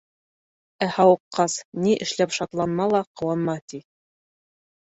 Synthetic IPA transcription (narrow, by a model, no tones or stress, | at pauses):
æhɑwɤ̆qːɑsniʔɘ̆ʃlæpʃɑt̪lˠɑnmɑlˠɑqɤ̆wɑnmɑt̪i